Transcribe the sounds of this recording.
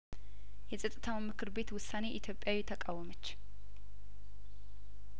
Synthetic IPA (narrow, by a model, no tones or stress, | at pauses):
jɛsʼət̪ʼːɨt̪ʰawmɨkʰɨɾbe̞t̪wʊsːane̞ʔit̪ʰjo̞pʼjawit̪ʰəkʼawɔmət͡ʃː